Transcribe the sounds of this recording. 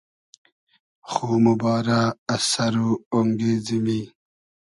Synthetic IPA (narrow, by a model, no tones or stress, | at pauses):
xuːmubɑːɾaɐsɐɾuoŋɡeːzimi